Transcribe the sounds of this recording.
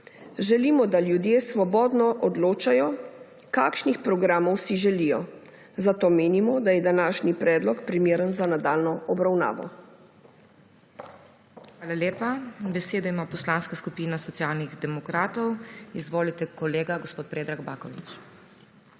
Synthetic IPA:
ʒɛliːmɔd̪aljud̪jeːsʋɔbɔːd̪nɔʔɔd̪loːt͡ʃajɔ | kakʃnixpɾɔɡɾaːmɔwsiʒɛlijɔ | zat̪oːmeːnimɔd̪ajɛd̪anaʃnipɾɛːd̪lɔkpɾimeːɾənzanad̪alnɔɔbɾawna̰ːʋɔ̰ | xʋaːlaleːpabɛseːd̪ɔimaːpɔslaːnskaskupiːnasɔt̪sjalniɣd̪ɛmɔkɾaːt̪ɔwizʋoːlit̪ɛkɔleːɡaɡɔspoːt̪̚pɾeːd̪ɾaɡbaːkɔʋḭt͡ʃ

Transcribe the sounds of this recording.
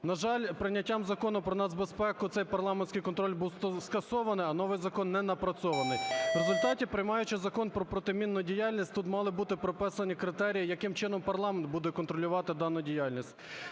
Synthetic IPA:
nɐʒɑlʲpɾɪnʲːɐtʲːamzɐkɔnʊpɾɔnɑsbespɛkʊt̪sɛjpɐrlˠɑmenʲsʲkɪjkɔnt̪ɾɔlʲbuwskɐsɔʋɐnɪjɐnɔʋɪjzɐkɔnːɛnɐpɾɐsɔʋɐnɪjʋɾezʊlʲt̪ɑtʲipɾɪjmɑjʊt͡ʃɪzɐkɔnpɾɔpɾɔt̪ɪmʲinːʊdʲijalʲnʲisʲtʲt̪ut̪mɑlˠɪbut̪ɪpɾɔpɛsɐnʲikɾɪt̪ɛɾʲijijɐkɪmt͡ʃɪnɔmpɐrlˠɑment̪̚bud̪ɛkɔnt̪ɾɔlʲʊʋɑt̪ɪd̪ɑnːʊdʲijɑlʲnʲisʲtʲ

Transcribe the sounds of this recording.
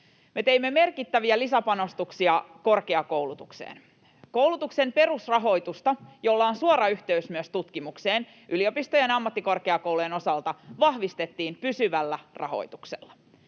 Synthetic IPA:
me̞t̪e̞imːe̞me̞rkit̪ːæʋiælisæpɑno̞st̪uksiɑko̞rkeɑko̞wlut̪uksḛːn | ko̞uwlut̪ukse̞mpe̞rusrɑɦo̞jt̪ust̪ɑjo̞lːɑonsuoɾɑyht̪eysmyøst̪ut̪kimukseːn | ʔylio̞pist̪ojenɑmːɑt̪ːiko̞rkeɑko̞wlujeno̞sɑlt̪ɑʋɑhʋist̪e̞t̪ːiːmpysyʋælːærʔɑ̰ɦo̞̰jt̪uksḛlːɑ̥

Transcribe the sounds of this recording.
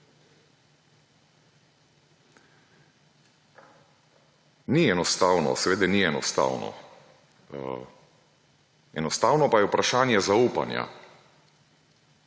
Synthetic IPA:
niɛnɔst̪aːwnɔ̰sɛʋeːd̪ɛniɛnɔ̰st̪a̰ːwnɔ̰ | ɛ̰nɔst̪aːwnɔpajɛupɾaʃaːnjɛzauːpa̰nja̰

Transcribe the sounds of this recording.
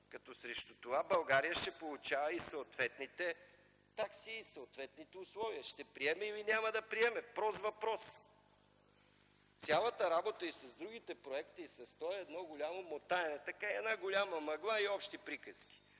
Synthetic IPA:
kɐt̪ɔsɾɛʃt̪o̥t̪ovabɐlˠɡaɾijəʃt̪ɛpolˠut͡ʃavɐisɐːt̪vɛt̪nit̪ɛ | t̪aksiːsɐːt̪vɛt̪nit̪ɛʊslˠɔviəʃt̪ɛpɾiɛmɛilinʲaməd̪ɐpɾiɛmɛpɾɔzvɐpɾɔs | t̪sʲjalˠət̪əɾabot̪əisɐzd̪ɾuɡ̟it̪ɛpɾoɛkt̪iːsɐst̪ɔɛɛd̪nɔɡolʲamomot̪aɛnɛt̪ɐkaɛɛd̪naɡolʲaməmɐɡlˠaiɔpʃt̪ipɾikəskʲi̥

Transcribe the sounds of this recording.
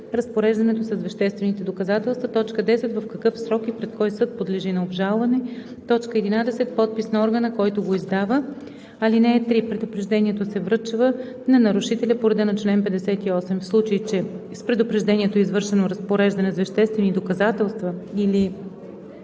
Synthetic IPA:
ɾɐspoɾɛʒd̪ɐnɛt̪osɐzvɐʃt̪ɛst̪vɛnit̪ɛd̪okɐzat̪ɛlˠst̪vət̪ɔt͡ʃkəd̪ɛsɛt̪vɐfkɐkɤfsɾɔkipɾɛt̪kɔjsɤt̪̚pod̪lɛʒinɐobʒalˠvɐnɛ | t̪ɔt͡ʃkəɛd̪inad̪ɛsɛt̪̚pɔt̪̚pisnɐɔɾɡənəkɔjt̪oɡoizd̪avə | ɐlinɛɛt̪ɾipɾɛd̪opɾɛʒd̪ɛniɛt̪osɛvɾɤt͡ʃvə | nɐnɐɾʊʃit̪ɛlʲɐpoɾɛd̪ənɐt͡ʃlɛnpɛd̪ɛsɛt̪iɔsɛmfslˠut͡ʃɐit͡ʃɛspɾɛd̪ʊpɾɛʒd̪ɛniɛt̪oizvɤɾʃɛnoɾɐspoɾɛʒd̪ɐnɛzvɐʃt̪ɛst̪vɛnid̪okɐzat̪ɛlˠst̪vəili

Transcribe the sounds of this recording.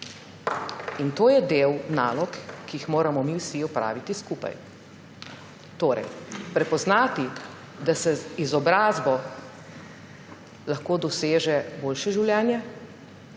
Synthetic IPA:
int̪oːjɛd̪eːwna̰ːlɔkːijixmoːɾamɔmiwsiɔpɾa̰ːʋit̪iskupa̰j | t̪oːɾɛ̰jpɾɛpɔznaːt̪i | d̪asɛizɔbɾaːzbɔ | laxkoːd̪ɔseːʒɛboːlʃɛʒiwljɛːnjɛ

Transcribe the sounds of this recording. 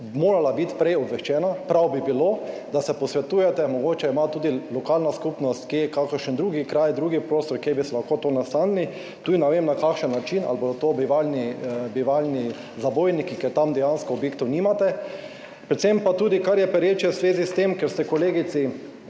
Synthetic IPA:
moːɾalabit̪pɾɛjɔbʋɛʃt͡ʃɛːnapɾawbibilod̪asɛpɔsʋɛt̪uːjɛt̪ɛmɔɡoːt͡ʃɛimat̪uːd̪ilɔkaːlnaskupnɔst̪kijɛkakəɾʃənd̪ɾuːɡikɾajd̪ɾuːɡipɾoːst̪ɔɾkjejbisɛlaxkot̪onast̪anni | t̪uːd̪inɛʋemnakakʃənːat͡ʃina̰lbod̪ɔt̪obiʋalnibiʋalni | zabojnikikɛt̪amd̪ɛjanskɔːbjekt̪ɔwnimat̪ɛ | pɾɛt̪sempat̪uːd̪ikaɾjɛpɛɾjet͡ʃjɛwzʋeːzist̪emkɛɾst̪ɛkoleːɡit̪si

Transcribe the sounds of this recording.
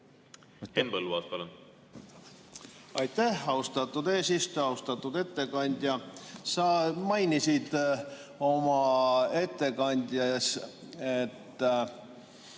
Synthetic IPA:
enpɤlːuɑ̰ːspɑlun | ɑjt̪ːæhɑust̪ɑt̪ːud̪e̞ːsist̪oɑust̪ɑt̪ːˑud̪e̞t̪ːe̞kɑnʲd̪̥ʲjɑsɑmɑjnisid̪̥ | o̞mɑe̞t̪ːe̞kɑnʲd̪̥ʲjɑs | et̪ː

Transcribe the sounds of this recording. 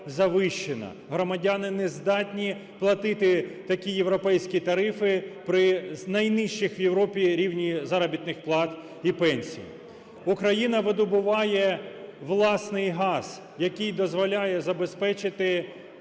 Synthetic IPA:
zɐʋɪʃt͡ʃːɪnɐ̰ | ɦɾɔmɐdʲanɪnɛzd̪ɑtʲnʲi | plˠɐt̪ɪt̪ɪt̪ɐkʲijeʋɾɔpɛjsʲkʲit̪ɐɾɪfɪpɾɪnɐjnɪʃt͡ʃɪxʋjewɾɔpʲiɾʲiwnʲizɑɾɐbʲit̪nɪxplˠɑt̪ | ipɛnʲsʲḭj̰ | ukɾɐjinɐʋɪd̪ʊbʊʋɑjɛʋlˠɑsnɪjɦɑz̥ | jɐkʲijd̪ɔzʋɔlʲajɛzɐbespɛt͡ʃɪt̪ɪ

